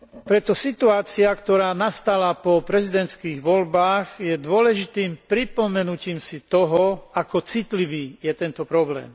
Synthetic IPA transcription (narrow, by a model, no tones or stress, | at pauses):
pɾɛt̪ɔsit̪uaːt͡siakt̪ɔɾaːnast̪alapɔpɾɛzid̪ɛnt̪t͡sskiːɣʋɔlbaːɣjɛd̪ʊɔlɛʒit̪iːmpɾipɔmɛnuciːmsit̪ɔɦɔakɔt͡sit̪liʋiːjɛt̪ɛnt̪ɔpɾɔblɛ̰ːm